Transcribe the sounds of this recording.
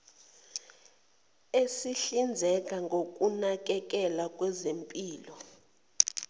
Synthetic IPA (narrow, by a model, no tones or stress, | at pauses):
esiɬind͡zʱɛkʼaŋɡʱokʼunak̬ʼɛk̬ʼɛlakʼwɛzempʼiːlɔ